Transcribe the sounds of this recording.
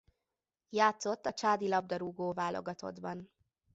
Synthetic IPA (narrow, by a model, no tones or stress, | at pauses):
jaːt̪so̞t̪ːɒt͡ʃaːd̪ilɒb̚d̪ɒɾuːɡoːvaːlʔo̞̰ɡɒt̪o̞̰d̪bɒn